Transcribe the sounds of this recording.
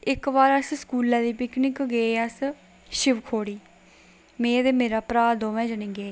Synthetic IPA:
ɪkʋaːɾəsskuːlãːd̪iːpɪknɪkɡeeəs | ʃɪʋkʰoːɽiː | mẽːd̪eːmeːɾaːpɾaːd̪oːʋɛ̃ːd͡ʒənĩːɡeː

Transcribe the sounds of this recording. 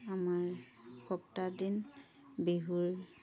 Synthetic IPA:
amaɹ | kɔptadin | beɦuɹ

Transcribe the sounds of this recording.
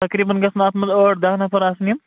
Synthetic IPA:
t̪ɐkɾiːbɐnɡɐsnaːt̪mɐzoːʈd̪aːɦnɐpʰɐɾaːsnim

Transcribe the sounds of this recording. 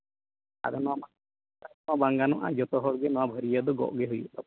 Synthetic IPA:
a̰ɾɔnaa | aɾabaŋɡanɔʔa̰d͡ʒɔt̪ɔɦɔɽɡɛnɔwabʱəɾijad̪ɔɡɔ̰ʔɡeɦuj̰t̪ɔ

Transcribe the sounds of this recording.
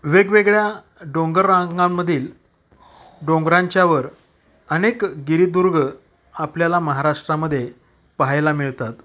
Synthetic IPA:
ʋeɡʋeɡɭja | ɖõŋɡəɾːãɡamːəd̪ʱiːl | ɖõŋɡɾaɲt͡ɕjaʋəɾ | ənekɡiɾid̪uɾɡ | apljalaməɦaɾaʂʈɾaməd̪ʱːje | paɦajlamiɭt̪at̪

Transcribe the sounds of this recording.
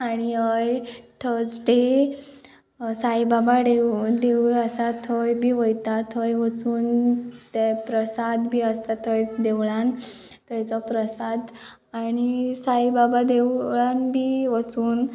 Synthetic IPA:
aɽ̃iɦəjʈʰəd͡zʈe | sajbabaɽeud̪eʋuləsat̪ʰəjbʱiːʋəjt̪at̪ɦəjʋət͡suːnt̪ɛpɾəsad̪bʱiːəst̪at̪ʰəjd̪eʋɭãn | t̪əjt͡sɔpɾəsad̪ | aɽ̃isaibabad̪eɭanbʱiːʋət͡suːn

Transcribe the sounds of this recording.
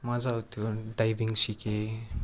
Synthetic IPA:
mazawt̪oɖajbiŋsike

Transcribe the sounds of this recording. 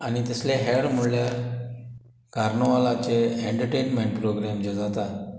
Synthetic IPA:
añit̪əsleɦeɽm̤uɭlja | ɡaɾɳoʋalat͡seeɳʈəɾʈejnmeɳʈpɾoɡɾamd͡ʑed͡zat̪a

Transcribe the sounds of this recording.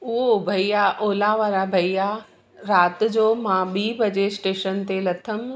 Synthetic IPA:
ʊɦobʱɐijaʔoːlaʋaːɾabʱɐija | ɾaːt̪̆d͡ʑoːmãɓiːbɐd͡ʑesʈeːʃənt̪elɐt̪ʰəm

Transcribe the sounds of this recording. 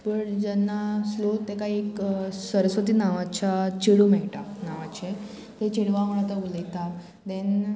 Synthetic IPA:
pəɳd͡ʑɛnːaslot̪ekaieksəɾəsʋət̪̬iːnaʋat͡ɕat͡ɕiɽumɛʈanaʋat͡ɕe | t̪et͡ɕiɽʋamuɭat̪auləjt̪a | d̪en

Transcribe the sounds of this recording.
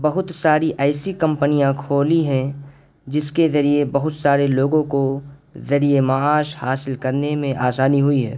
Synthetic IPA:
bɐɦʊt̪saːɾiʔɛːɪsikɐ̃mpənijãkʰoːliɦɛ̃ | d͡ʒɪskezɐɾiebɐɦʊt̪saːɾeloːɡõkozɐɾiemaaːʃhaːsɪlkɐɾnemẽʔaːsaːniɦʊiɦɛ̰ː

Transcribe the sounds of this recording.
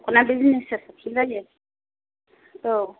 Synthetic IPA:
kʰʼɔnabizinisɛsapʰiɡajɛ | o

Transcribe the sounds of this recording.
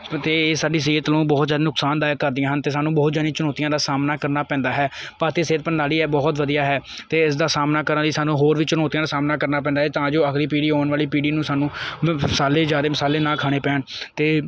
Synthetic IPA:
t̪eːsaːɖiːs̬iːət̪lũːbɔːt̪zjaːd̪eːnʊksaːnd̪aːjəkːəɾd̪ɪjãːɦənt̪eːsaːnːũːbɔːt̪d͡ʒaːd̪ĩːt͡ʃənɔːt̪ijãːd̪aːsaːmnaːkəɾnaːpɛ̃ːnd̪aːɦɛːpəɾt̪eːseːɾ̚pənːaːliːɛːbɔːt̪ʋəd̪ijaːɦɛːt̪eːɪsd̪aːsaːmnaːkəɾad̪iːsaːnũːɦoːɾʋiːt͡ʃənɔːt̪ijãːd̪aːsaːmnaːkəɾnaːpɛ̃nd̪ːɦɛːt̪ãːd͡ʒoːəkɾiːpiːɖiːɦoːɳʋaːliːpiːɖiːnũːsaːnũːsaːleːd͡ʒaːd̪eːmɪsaːleːnãːkʰaːɽ̃eːpɛ̃ːɳt̪eː

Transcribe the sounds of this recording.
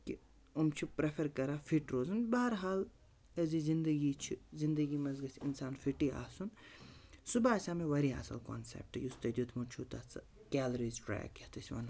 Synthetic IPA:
ki | umt͡ʃʰipɾefʰɐɾkɐɾaːfʰiʈɾoːzɐnbɐɦɐɾɦaːl | ɐzizind̪ɐɡit͡ʃʰizind̪ɐɡiːmɐzɡɐsʲinsaːnfiʈia̰ːsun | subaːsʲaːmeʋɐɾiɦɐ̰sɐ̰lko̰ːnsḛp̚ʈɨjust̪ɐd̪ʲut̪ʰmunt͡ʃʰut̪ɐt͡sɐ | kʲɛːlɐɾizʈɾa̰ːj̰ket̪ʰɐsʲʋɐ̰n

